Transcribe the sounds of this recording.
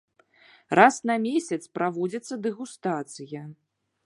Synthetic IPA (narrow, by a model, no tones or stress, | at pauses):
rasnɐmʲesʲɐt̪spɾavɔd͡zʲɐt̪sːɐd̪ɛɣust̪at̪sɨjɐ